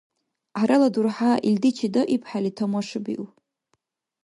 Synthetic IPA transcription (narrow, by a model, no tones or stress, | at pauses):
ʕaɾaladurħaʔildit͡ʃʰidoʔipʰħalitʰomaʂɨbḭʔ